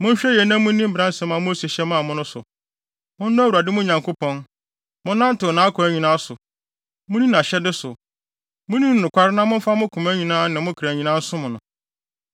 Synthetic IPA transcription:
mʊ̃˦n˦ɕᶣɛ˦jɛ˨nã˦mʊ̃˦nĩ˦m̩˦bɪ˨ɾã˦n̩˦sɛ̃˦mã˨˦mʊ̃˦se˨ɕɛ˦mã˦˨mʊ̃˦nʊ̃˦sʊ̰˨ | mʊ̃˦n˦nʊ̃˦wu˨ɾa˨dɪ˦mʊ̃˦ɲã˨ŋko˦pʰɔ̃˦n | mʊ̃˦nã˦n̩˦tɪ˨nã˨˦a˦kʰʊ˨æ˦ɲĩ˨nãː˦sʊ˨ | mʊ̃˦nĩ˦nã˨ɕɛ˦dɪ˦sʊ˨ | mʊ̃˦nĩ˦n˨nʊ̃˨kʷa˦ɾɪ˦nã˦mʊ̃˦n̩˦fa˦mʊ̃˦kʰʊ̃˨mæ˦ɲĩ˨nãː˦nã˨mʊ̃˦kʰɾæ˨ɲĩ˨nã˦n̩˦sʊ˦mʊ̃˨nʊ̃˨

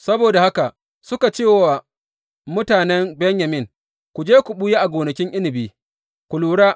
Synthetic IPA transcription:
sɐ˦boː˨da˨ha˦ka˨ʔ | sʊ˦ka˨t͡ʃeː˦˨wa˨ | mʊ˦taː˨nɛ˦mbɛ˦ɲjɐ˨mɪ˦˨ŋ | kʷu˨d͡ʒeː˦kʷʊ˨ɓu˦je˦ʔa˨ɡʷoː˨nɐ˨kʲɪ˦ŋʔɪ˦lɪ˨biː˦ | kʷʊ˨luː˨ɽaː˦ʔ

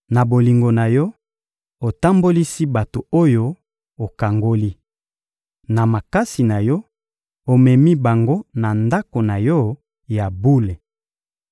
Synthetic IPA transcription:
na˨bo˨li˨ŋɡo˨na˨jɔ˦ | o˨ta˦mbo˦li˦si˦ba˨to˨o˦jo˦ | o˨ka˨ŋɡo˦li˦ | na˨ma˨ka˦si˨na˨jɔ˦ | o˨mɛ˨mi˦ba˨ŋɡo˦na˨nda˦ko˨na˨jɔ˦ | ja˨bu˦le˨

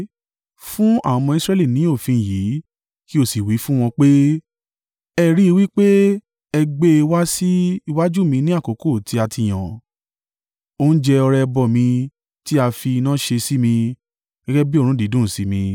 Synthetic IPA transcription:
fũ˦a̰˦˨˧mɔ̃˧i˧sɾɛ˦li˦˨nĩ˨˦o˦˨fĩ˧˨ji˨˦ | ki˦o˦˨si˨wi˨˦fũ˦w̃ɔ̃˧k͡pe˦ | ɛ˦˨ɾi˦i˧wi˦k͡pe˦ | ɛ˧ɡ͡be˦i˧wa˦si˦i˦˧wa˦d͡ʒu˦˨mĩ˧nĩ˦a˦˨ko˨˦ko˦˨tʰi˧˦a˧tʰi˧˨j̃ã˨ | o˦n̩˦d͡ʒɛ˧ɔ˧ɾɛ˧bɔ˨mĩ˧ | ti˦a˧fi˧nãː˦ʃe˧si˦mĩ˧ | ɡ̥ɛ˦ɡɛ˦bi˦o˦˨ɾũ˦di˨˦dũ˦˨si˨˦mĩ˧

